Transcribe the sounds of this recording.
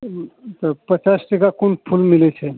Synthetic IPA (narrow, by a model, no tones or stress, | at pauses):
t̪əpət͡ʃasʈikakuɳpʰulmilet͡ʃʰe